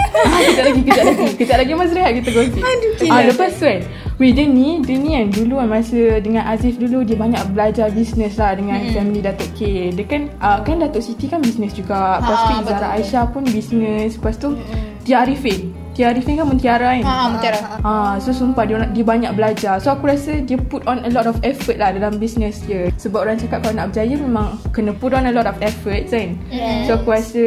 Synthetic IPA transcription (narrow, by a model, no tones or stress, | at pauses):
akəaʔlaɡikəd͡ʒaʔlaɡikəd͡ʒaʔlaɡimasɾiɦaʔ̚kit̪aɡot̪ialəpast̪ua | widənĩdənĩanduluanmasədəŋãnʔazifduludiəbaɲaʔbəlad͡ʒabisnəslahdəŋãnfɛmənidat̪oʔkedəkanəkandat̪oʔsit̪ikanbisnəsd͡ʒuɡaʔpast̪iəzaɾaajʃapunbisnə̃spast̪ut̪iaɾifɛn | t̪iaɾifɛŋkanpunt̪iaɾainaʔãsosumpaddiəbaɲak̚bəlad͡ʒasoakuɾasədiəputɔnəlɔtɔfɛfət̚lahdalambisnəsdiəsəbap̚ʔoɾant͡ʃakat̚kalonaʔbəd͡ʒajəmẽmãŋkənə̃putɔ̃nəlɔtɔfɛfət̚san | soakuɾasə